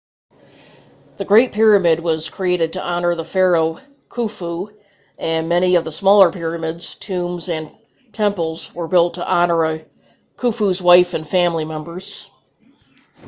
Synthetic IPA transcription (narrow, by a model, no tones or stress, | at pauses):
ðɨɡɹeɪt̚pʰɪɹɨmɪd̚wʌz̥kʰɹ̥ieɪɾɨd̚tʰɨʔɑnə˞ðəfɛɹoʊ | kʰufu | ʔɨ̃nmɛɾ̃iʌvðəsmɔlˠə˞pʰɪɹɨmɪdz̥tʰʉ̃mzɨ̃n | tʰɛ̃mpl̩ˠzwə˞bɪlˠtʰəʔɑnə˞ɨ | kʰufuzwaɪfɨ̃nfæ̃mlimɛ̃mbə˞z̥